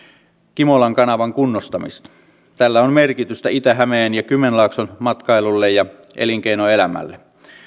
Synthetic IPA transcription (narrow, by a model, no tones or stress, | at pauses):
kimolɑŋkɑnɑʋɑŋkunːost̪ɑmḭst̪ɑ̥ | t̪ælːæonmerkit̪yst̪æit̪æɦæmeːnjɑkymːenlɑˑksonmɑt̪kɑelulːejɑ | ʔḛliŋk̟einoe̞læmæ̰lːe